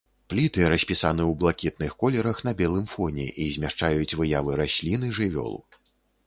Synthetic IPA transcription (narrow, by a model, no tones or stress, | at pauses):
plʲit̪ɨɾɐsʲpʲisanɨwblˠakʲit̪nɨxkɔlʲɛɾɐxn̪ɐbʲɛlˠɨmfɔnʲɛ̰ʔizʲmʲaʂt͡ʂajut͡sʲvɨjavɨɾasʲlʲin̪ɨʐɨvʲɔ̰lˠ